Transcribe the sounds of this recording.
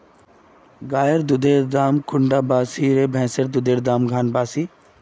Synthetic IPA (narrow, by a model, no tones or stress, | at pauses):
ɡaːjəɾd̪ʊd̪ʱeːɾd̪aːmkʊɳɖaːbaːsiɾeːbʱɛ̃ːsəɾd̪ʊd̪ʱeːɾd̪aːmɡʱaːnbaːsiː